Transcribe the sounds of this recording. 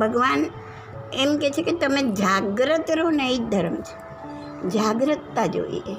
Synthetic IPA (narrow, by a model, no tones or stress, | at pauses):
bʱəɡʋan | emket͡ʃʰeket̪əmed͡ʒaɡɾət̪ɾonəid̪ʱəɾəmt͡ʃʰe̥ | d͡ʒaɡɾət̪ːad͡ʒo̰ḭḛ